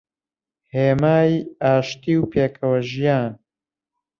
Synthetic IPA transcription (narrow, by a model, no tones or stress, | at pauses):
heːmaːjaːʃt̪iːwpeːkʰɐwɐʒijaːn